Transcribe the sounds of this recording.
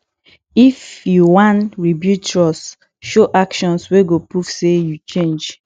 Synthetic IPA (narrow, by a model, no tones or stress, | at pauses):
ifjuwãnɹibjutɹɔs | ʃoʔakʃɔ̃nsweɡopufsejut͡ʃẽnd͡ʒ